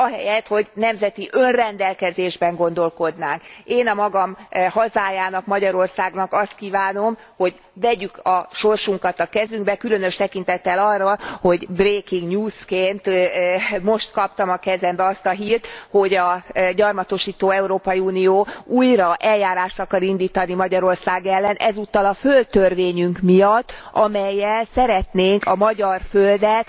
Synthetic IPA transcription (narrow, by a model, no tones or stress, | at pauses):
ɒɦɛjɛt̪ho̞ɟnɛmzɛt̪iʔønrɛnd̪ɛlkɛzeːʒbɛŋɡo̞nd̪o̞lko̞d̪naːŋkeːnɒmɒɡɒmhɒzaːjaːnɒkmɒɟɒɾo̞rsaːɡnɒkɒst̪̚kiːvaːno̞m | ho̞ɟ | vɛɟykɒʃo̞rʃuŋkɒt̪ɒkɛzyŋɡbɛkylø̞nø̞ʃt̪ɛkin̪t̪ɛt̪ːɛlɒrːɒho̞ɟbreːkiŋɡɲuːskeːnt̪ | mo̞ʃt̪kɒpt̪ɒmɒkɛzɛmbɛɒst̪ɒɦiːrt̪ho̞ɟɒɟɒrmɒt̪o̞ʃiːt̪oːɛuɾoːpɒjiuːnijoːuːjrɒʔɛljaːɾaːʃt̪ɒkɒɾind̪iːt̪ɒnimɒɟɒɾo̞rsaːɡɛlːɛnʔɛzut̪ːɒlɒfø̞lt̪ørʋeːɲyŋkmijɒt̪ːɒmɛjːɛlsɛɾɛt̪neːŋkɒmɒɟɒrføld̪ɛt̪